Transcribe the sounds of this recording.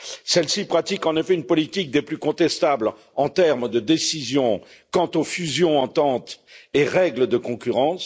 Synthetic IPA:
sɛlsipχat̪ikɑ̃nefɛynpɔlit̪ik̚d̪eplykɔ̃t̪ɛst̪abl | ɑ̃t̪ɛʁmd̪əd̪esizjɔ̃ | kɑ̃t̪ofyzjɔ̃ɑ̃t̪ɑ̃t̪eʁɛɡləd̪əkɔ̃kʲyʁɑ̃s

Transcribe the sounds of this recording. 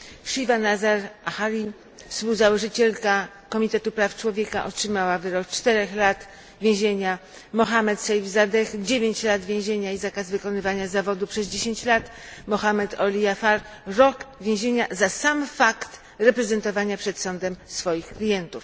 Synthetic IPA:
ʂivanazaɾaxalʲi | fspuwzawɔʐɘt͡ɕɛlka | kɔmʲit̪ɛt̪upɾaftt͡ʂwɔvʲjɛka̰ʔɔtʂɘmawavɘɾɔk̚t͡ʂt̪ɛɾɛxlat̪ | vʲjẽw̃ʑeɲa | mɔxamɛt̪sajvzad̪ɛxd͡ʑevʲeɲt͡ɕlad̪vʲjẽʑeɲaizakazvɘkɔnɘvaɲazavɔd̪upʂɛzd͡ʑeɕeɲt͡ɕlat̪mɔxamɛt̪ʰɔlʲijafaɾ | ɾɔkvʲjẽʑeɲazasamfakt̪ | ɾɛpɾɛzɛnt̪ɔvaɲapʂɛt̪sɔnd̪ɛmsfɔjixklʲijɛnt̪uf

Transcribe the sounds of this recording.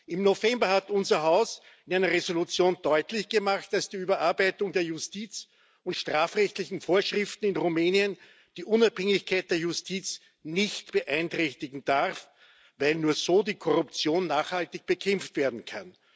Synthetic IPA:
ʔɪmnofɛmbɐhatʊnzɐɦaʊs | ɪnæɪnɐʁezolut͡sjoːnd̥ɔʏtlɪçɡ̥əmaχt̚d̥asd̥iːyːbɐʔaɐbæɪtʊŋdeːɐjʊstiːt͡s | ʊntʃtʁ̥aːfʁɛçtlɪçn̩foːɐʃʁɪftn̩ɪnʁumeːniən | d̥iːʔʊnaphɛŋɪçkʰaɪt̚d̥eːɐjʊstʰiːt͡s | nɪçtb̥əʔæɪntʁ̥ɛçtɪɡŋ̩d̥aʁf | væɪlnuːɐzoːdiːkʰɔʁʊp̚t͡sjoːnːaːχhaltɪçb̥əkʰɛmftv̥eːɐdn̩kʰan

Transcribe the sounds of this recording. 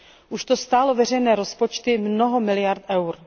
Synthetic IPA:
ʔuʃt̪ost̪aːlovɛr̝ɛjnɛːɾospot͡ʃt̪ɪmnoɦomɪlɪjaɾt̪ʔɛwɾ

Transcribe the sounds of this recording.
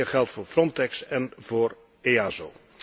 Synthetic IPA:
rχɛlˠtfʊːɹfrɔntɛksɛnvoːɹ | eaːzo

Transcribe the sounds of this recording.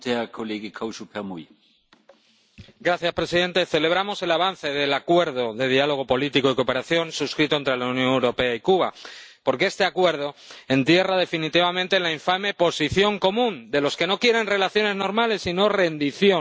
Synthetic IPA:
eɐkʰoleːɡəkʰawʃupʰɛɐmuj | ɡɾaθjaspɾe̞siðe̞nt̪e̞θe̞le̞β̞ɾamo̞se̞laβ̞an̟θe̞ðe̞lakwe̞ɾðo̞ðe̞ð̞ialo̞ɣ̞o̞po̞lit̪iko̞iko̞pe̞ɾaθjo̞nsuskɾit̪oent̪ɾe̞launjõŋewɾo̞pe̞aikuβ̞apo̞ɾkee̞st̪e̞akwe̞ɾð̞o̞e̞nt̪je̞raðe̞finit̪iβ̞amẽnt̪e̞laiɱfame̞po̞siθjo̞ŋko̞mũnd̪e̞lo̞ske̞no̞kje̞ɾe̞nre̞laθjo̞ne̞zno̞ɾmale̞sːino̞re̞nd̪iθjo̞

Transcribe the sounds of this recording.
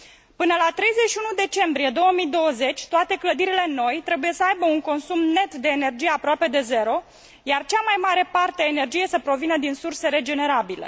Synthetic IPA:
pɨnəlat̪ɾe̞jze̞tʃiunud̪e̞t͡ʃe̞mbɾije̞d̪o̞wəmid̪o̞wəze̞t͡ʃʲt̪oat̪e̞kləd̪iɾile̞no̞jt̪ɾe̞buje̞səajbəuŋko̞nsumne̞t̪d̪e̞ːne̞rd͡ʒijeapɾoape̞d̪e̞ze̞ɾo̞ | jart͡ʃamajmaɾe̞part̪eaene̞rd͡ʒije̞səpɾo̞vinəd̪insurse̞ɾe̞d͡ʒe̞ne̞ɾabile̞̰

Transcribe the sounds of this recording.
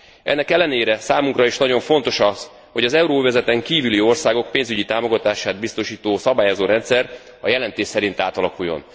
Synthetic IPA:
ɛ̰nːɛkɛlːɛneːɾɛsaːmuŋkrɒiʃnɒɟo̞ɱfo̞nt̪o̞ʃɒz | ho̞ɟɒzɛuɾoːvɛzɛt̪ɛŋkiːvylio̞rsaːɡo̞k̚peːnzyɟit̪aːmo̞ɡɒt̪aːʃaːd̪̚bist̪o̞ʃiːt̪oːsɒbaːjozoːɾɛnt̪sɛr | ɒ̰jɛlɛnt̪eːʃsɛɾint̪aːt̪ɒlɒkujːo̞̰n

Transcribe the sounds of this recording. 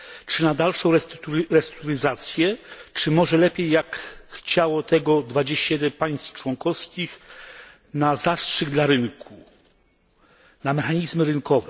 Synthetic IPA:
t͡ʂɘnad̪alʂɔ̃w̃ɾɛsuɾɛst̪t̪t̪uɾɘzat̪sʲjɛt͡ʂɘmɔʐɛlɛpʲjejːakxt͡ɕawɔt̪ɛɡɔd̪vad͡ʑeɕt͡ɕajɛd̪ɛnpaj̃st̪ft͡ʂwɔŋkɔfskʲix | nazastʂɘɡd̪laɾɘnkʰu | namɛxaɲizmɘɾɘnkɔvɛ

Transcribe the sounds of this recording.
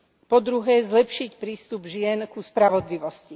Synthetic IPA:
pɔd̪ɾuɦɛːzlɛpʃicpɾiːst̪ubʒɪɛnkuspɾaʋɔd̪liʋɔsci

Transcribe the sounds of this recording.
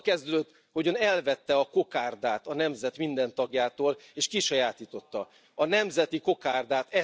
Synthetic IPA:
kɛzd̪ød̪øt̪ː | ho̞ɟønɛlvɛt̪ːɛɒko̞kaːrd̪aːt̪ɒnɛmzɛt̪mind̪ɛnt̪ɒɡjaːt̪oːleːʃkiʃɒjaːt̪iːt̪o̞t̪ːɒ | ɒnɛmzɛt̪iko̞kaːrd̪aːt̪ɛ

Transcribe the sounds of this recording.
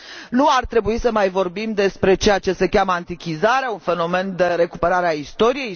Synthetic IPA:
nuart̪ɾe̞buisəmajvo̞rbimd̪e̞spɾe̞t͡ʃe̞jat͡ʃe̞se̞kʲaməant̪ikʲizaɾeaunfe̞no̞me̞nd̪e̞ɾe̞kupe̞ɾaɾeaist̪o̞ɾije̞j

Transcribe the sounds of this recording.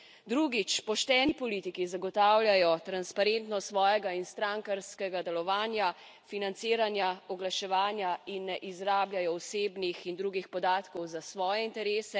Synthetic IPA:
d̪ɾuɡit͡ʃpɔʃt̪ɛːnipɔliːt̪ikizaɡɔt̪aːwljajɔt̪ɾanspaɾent̪nɔstsʋɔːjɛɡainst̪ɾaŋkaɾskɛɡad̪ɛlɔʋaːnja | finant̪siːɾanjaɔɡlaʃɛʋaːnjainːɛʔizɾaːbljajɔɔseːbnixind̪ɾuːɡixpɔd̪aːt̪kɔwzasʋɔːjɛint̪ɛɾeːsɛ

